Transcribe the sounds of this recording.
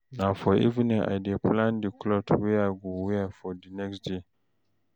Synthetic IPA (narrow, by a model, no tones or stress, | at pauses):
nafɔḭvinĩa̰jdeplãndiklɔtwiaɡuwiafɔdinɛksde